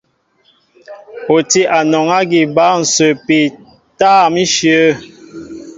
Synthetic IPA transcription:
o˨ti˦ʔa˨nɔ˨ŋa˦ɡi˨ba˦n̩˨sə˨pi˨ | taː˦˨mi˦ʃjə˦

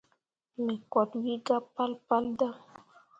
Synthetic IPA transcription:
me˨kɔ˨t̪wi˦ɡa˦pa˦lpa˦lda˦

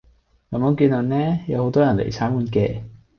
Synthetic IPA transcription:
ɐ˨˩mɔː˨˥kiː˧na˨˩nnɛː˥jɐ˨˧who˨˧˥wt̪ɔː˥jɐ˨˩nlḛ˨˩jt͡sʰaː˨˥mkuː˨˧˥nkɛː˧

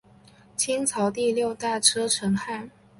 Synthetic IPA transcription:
t͡ɕʰi˥nt͡sʰɑ˧˥ʊt̪i˥˧ljo˥˧ʊt̪a˥˩ʈ͡ʂʰɤ˥ʈ͡ʂʰɤ˧˥ŋxa˥˩n

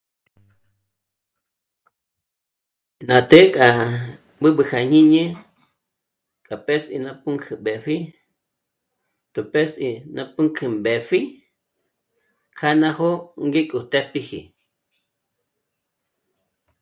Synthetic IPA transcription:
nã˨t̪e˦kʼa˨ | bɨ˦ɓɨ˨kʰa˨ɲĩ˦ɲẽ˦ | kʼa˨pe˦sḭ˨nã˧pu˦ŋkʰɨ˨be˨ɸi˦ | t̪u˨pe˦si˧nã˧pɨ˦ŋkʰɨ˧˨mbe˨fi˦ | kʰa˦nã˦ho˦ŋɡi˦kʼu˨t̪e˦pi˦hḭ˨

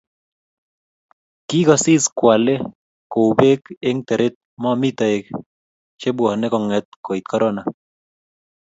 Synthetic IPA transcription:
ki˦kɔ˨si˦skwa˨le˦ | ko˨ube˦keŋt̪ɛ˨ɾet̪̚mɔ˦mi˦t̪ɔ˨ek̚ | t͡ʃe˦bwɔ˨hnekɔ˨ŋɛ˨t̪̚ko˨it̪̚kɔɾɔna

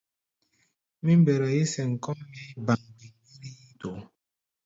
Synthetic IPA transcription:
mi˦m˦be˨ɾɔ˨ji˦sɛ˨ŋ̩˨kɔ˦mbi˦ba˨ŋdi˨ŋi˦ɾi˦ji˦to˨

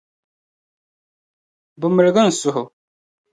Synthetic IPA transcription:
bə˨mə˨ɾɡə˦n̩˨sʊ˨ɦʊ˨

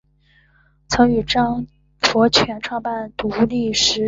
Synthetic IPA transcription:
t͡sʰɤ˧˥ŋy˨˩ʈ͡ʂɑ˥ŋ | fɔ˧˥t͡ɕʰɥɛ˧˥nʈ͡ʂʰwɑ˥˧ŋpa˥˩nt̪u˧˥li˥˩ʂɻ̩˧˥

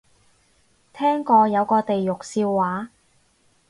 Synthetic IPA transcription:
t̪ʰɛː˥ŋkɔː˧jɐ˨˧wkɔː˧t̪e˨jːʊ˨k̚siː˧wːaː˨˥

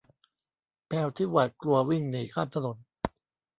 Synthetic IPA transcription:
pʰɛː˧wt̪ʰiː˥˩waː˨˩t̪̚klu˧ɐwi˥˩ŋni˨˩˦kʰaː˥˩mt̪ʰa˧no˨˩˦n

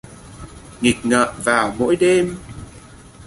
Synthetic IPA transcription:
ŋi˨˩k̚ŋə̰ː˧˨vaː˨˩wmo̰˧˥jɗe˧m

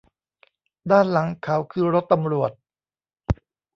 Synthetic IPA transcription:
daː˥˩nla˩˦ŋkʰa˩˦wkʰɯː˧ɾo˦˥t̪ːa˧mɾu˨˩ət̪̚

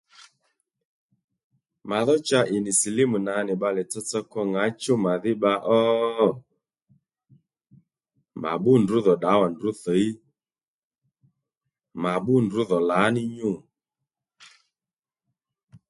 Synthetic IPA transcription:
ma˨ðɔ˦t͡ʃa˦ʔɪ˨nɪ˨si˨lɪ˦mu˨na˨˦nɪ˨ɓa˧lɛ˨t͡sɔ˦t͡sɔ˧kɔ˦ŋa˨˦t͡ʃo˦ma˨ðɪ˦ɓa˧ʔɔ˦ | ma̰˨ɓʊ˦ndʊ˨˦ðɔ˨ɗa˨˦wa˨ndʊ˨˦θɔ˨˦i˦ | ma˨ɓʊ˦ndʊ˨˦ðɔ˨la˨˦nɪ˦ɲʊ˦˨

